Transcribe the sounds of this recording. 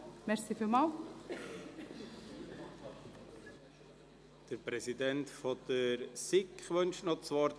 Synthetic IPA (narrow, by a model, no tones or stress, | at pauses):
mɛɾsifilmɑl | d̥əɾpɾɛsidɛntfɔd̥əɾsɪkχʋœnʃnɔt͡sʋɔɾ